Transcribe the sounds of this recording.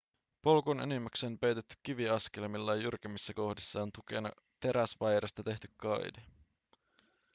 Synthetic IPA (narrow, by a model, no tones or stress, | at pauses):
po̞lkonḛnimːækseompøɥt̪et̪ːy̥k̟ːiʋiɑskelmilːɑjjurkemisːæko̞hdisːɑont̪uk̟e̞nɑ | t̪e̞ɾæsʋɑjɾest̪ɑt̪e̞ht̪y̥kkɑjde